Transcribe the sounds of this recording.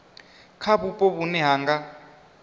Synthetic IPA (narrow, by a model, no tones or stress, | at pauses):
kʰabupʼɔβunɛɦaːŋɡa